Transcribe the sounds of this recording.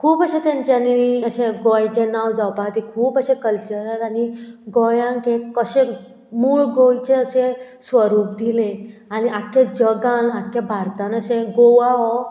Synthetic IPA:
kʰuːpəɕẽt̪jãɲt͡ɕjaniəɕẽɡɔjt͡ɕenawd͡zawpaɦt̪ikʰuːpəɕẽkəlt͡ɕəɾəlaniɡɔjãŋkekəɕẽ | muːɭɡojt͡ɕeəsesʋəɾuːp̚d̪ilẽaniʔakʰjad͡ʑəɡanakʰːjabʱaɾt̪ãnəɕẽɡoʋaɦɔ

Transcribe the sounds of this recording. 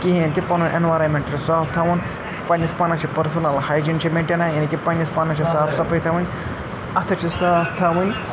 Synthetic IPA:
kʲiɦint̪ipɐnunʲʔenʋaːɾɐmʲeɳʈt͡ʃʰisaːp̚t̪ʰɐʋɐn | pɐnispɐnɐt͡ʃʰipɐɾsɐnɐlhajd͡ʒint͡ʃʰimʲeɳʈʲɐnaːjɐnikʲipɐnʲːispɐnɐt͡ʃʰisaːpʰsɐpʰɐjt̪ʰɐʋɨnʲ | ɐt̪ʰɐt͡ʃʰisaːpt̪ʰɐʋɨnʲ

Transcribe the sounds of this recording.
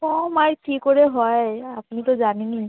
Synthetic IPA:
kɔmaɹkʰikoɹeɦɔjapnit̪ɔzanini

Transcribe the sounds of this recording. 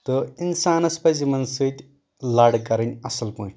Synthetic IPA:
t̪ɨinsaːnɐspɐzimɐnsɨt̪ʲ | lɐɽkɐɾɐnʲɐsɐlpõːʈʰʲ

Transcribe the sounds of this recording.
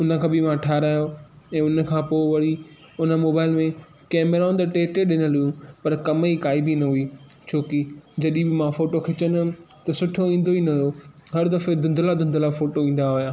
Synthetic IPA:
ʊnə̆kʰãːbɪmãʈʰaːɾaːjoɛ̃ːʊnə̆kʰãːpoːɪʋɐɽi | ʊnəmoːbaːɪlmẽ | kɛːmɾaːʊ̃nd̪ʈeːʈeɗɪnəlɦʊjũpɐɾkɐmikaːɪbinɐɦʊiː | t͡ɕʰoːkid͡ʑɐɗĩbɪmãfoːʈokʰɪt͡ɕən | t̪ɐsʊʈʰoĩːn̆d̪oinɐɦjoɦɐɾd̪ɐfed̪ʊ̃nd̪ʱlad̪ʊ̃nd̪ʱlafoːʈoĩːn̆d̪aɦʊjaː

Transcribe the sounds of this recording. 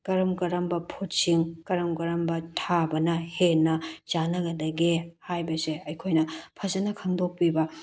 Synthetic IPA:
kɐɾɐmkɐɾɐmbɐpʰotsiŋkɐɾɐmkɐɾɐmbɐtʰabɐnɐhenːɐt͡ʃanɐɡɐdɐɡihajbɐseɐjkʰojnɐpʰɐzɐnɐkʰɐŋdok̚pibɐ

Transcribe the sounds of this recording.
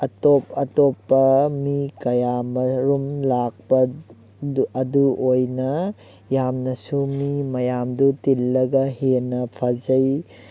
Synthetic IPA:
ɐtop̚ɐtopːɐmikɐjamɐɾumlak̚pɐ | ɐduʔojnɐ | jamnɐsumimɐjamdutilːɐɡɐhenɐpʰad͡ʒɐj

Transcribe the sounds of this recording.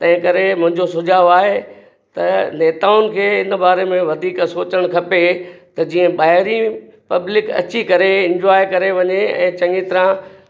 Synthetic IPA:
t̪ɐ̃ɦɪ̃kɐɾemʊ̃ɦɪ̃ɲd͡ʑosʊd͡ʑʱaːʋaːɦe | t̪ɐneːt̪aːʊnɪ̆kʰeːɪnəbaːɾemẽʋɐd̪ʱiːksoːt͡ɕəɽ̃kʰɐpet̪ɐd͡ʑiːə̃ɓaːɦɪɾĩpɐblɪkɐ̰t͡ɕikɐɾeɪ̃ɲd͡ʑaːjkɐɾeʋɐɲeɛ̰̃ːt͡ɕɐŋit̪ɪɾã

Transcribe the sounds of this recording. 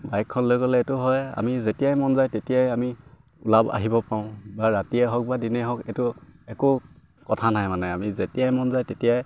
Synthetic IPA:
bajkʰːɔnlojkɔlɛːtʊɦɔja̰mizetijajmɔnzajtetijajami | ʊlaba̰ɦibɔpaʊ̃baɹatiɛɦɔk̚badinɛɦɔkɛtʊɛkʊ | kɔtʰanajmanɛamizetijajmɔnzajtetijaj

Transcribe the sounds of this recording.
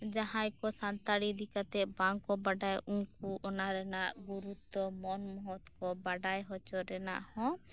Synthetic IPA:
d͡ʒaɦãjkɔsant̪aɽid̪ʱikat̪ɛbaŋkɔbaɖajuŋkuɔnaɾɛnaʔɡuɾut̪ːɔmɔnmɔɦɔt̪kɔbaɖajɦɔt͡ʃɔɾɛna̰ʔhɔ̃

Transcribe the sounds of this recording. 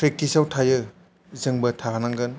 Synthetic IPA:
pʰɾek̚tisawtʰajɯ | zɯŋbɐtʰaɦanaŋɡɯn

